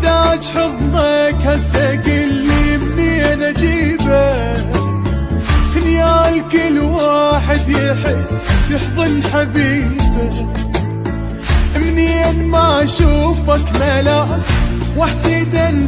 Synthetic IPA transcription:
d̪at̪ħɨðˤlakhasaɡɪlːiʔɪmninʔad͡ʒiːba | hɪnjaːlkɪlwaːħɪd̪jħjɪħðˤɨnħabiːba | ʔɪmnianmaʔaʃuːfakmala | waħsiːd̪an

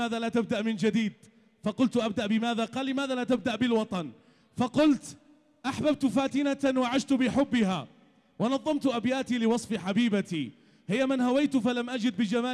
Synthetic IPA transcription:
aːðalaːt̪ab̚d̪aʔmɪnd͡ʒad̪iːd̪̚ | fɑqʊlt̪ʔab̚d̪aʔbɪmaːðaqɑːlːɪmaːðalat̪ab̚d̪aʔbɪlwɑt̪ˤɑn | fɑqʊlt̪ | ʔaħbab̚t̪faːt̪ɪnawaʕaʃt̪bɪħʊbːɪɦaː | wɑnɑðˤːɑmt̪ʔabjaːt̪ilɪwɑsˤfħabiːbat̪i | hɪjːamɪnhawajt̪falamʔad͡ʒɪd̪̚bɪd͡ʒamaː

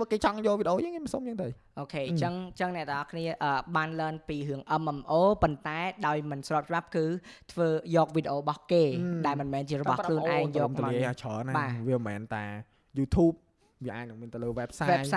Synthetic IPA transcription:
əkeːt͡ɕɑŋjŏəlʋiːɗeʔoːjəːŋiməsoːmjəːŋt̪ɨʔoːkʰeːt͡ɕəŋt͡ɕəŋnɛ̆ət̪əŋʔɑhkʰniəʔəːɓaːnləːnpiːɾɨəŋʔəmʔmʔoːpont̪aɛɗaɔjmɨnsrɔːp̚t͡ɕəɓap̚kɨːt̪ʰʋəːjɔːk̚ʋiːɗeʔoːɓɑhkeːɗaɛlmɨnmɛːnt͡ɕiəɾɔɓɑhkʰluənʔaɛŋjɔːmt̪liəhaːt͡ɕʰəːnaɓaːʋiəmɛ̰ːnt̪aɛ | juːt̪ʰuːp̚ | ʋiəʔaːc̚nɨŋmiənt̪ɨləːʋɛːp̚saʋɛːj̚sa

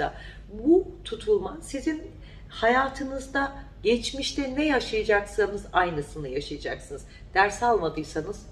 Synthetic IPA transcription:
a̰ | but̪ʰut̪ʰulˠmasizin | hajaːt̪ʰɯnɯzd̪a | ɟɛt͡ʃmiʃt̪ʰɛnɛjaʃajad͡ʒaksanɯzajnɯsɯnɯjaʃajad͡ʒaksɯnɯz | d̪̥æɾsalˠmad̪ɯjsanɯz̥

